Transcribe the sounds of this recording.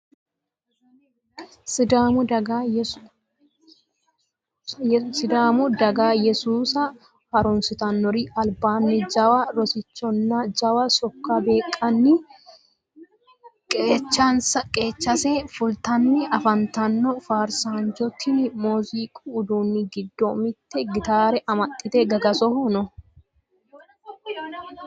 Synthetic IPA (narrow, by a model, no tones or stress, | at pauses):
ɪd̪aːmʊd̪ɐɡ | sɪd̪aːmʊd̪ɐɡaːjɛsuːsɐ | hɐɾʊnsɪt̪ɐnːɔɾiʔɐlbaːnːɪd͡ʒɐwɐɾɔsɪt͡ʃːɔnːɐd͡ʒɐwɐsɔkːabeːkʼːɐnːɪ | kʼeːt͡ʃːɐnsɐkʼe̞ːt͡ʃːɐseːfʊlt̪ɐnːɪʔɐfɐnt̪ɐnːɔfaːɾsaːnd͡ʒɔt̪ʰːɪnmoːziːkʼuːd̪uːnːɪɡɪd̪ːomɪt̪ːɛɡɪt̪aːɾɛʔɐmɐt̪ʼːɪt̪eɡɐɡɐsɔhɔnɔ